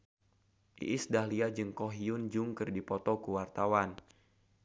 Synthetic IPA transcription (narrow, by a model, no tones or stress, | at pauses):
ʔḭʔisdahliad͡ʒəŋkɔɦiʊnd͡ʒuŋkɨrdipɔt̪ɔkuwart̪awan